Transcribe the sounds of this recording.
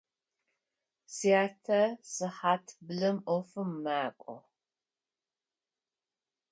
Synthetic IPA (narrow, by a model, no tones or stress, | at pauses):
siaːtʰɐsɨħaːtʰbɨlɨmɔfɨmːaːkʷʼɔ̰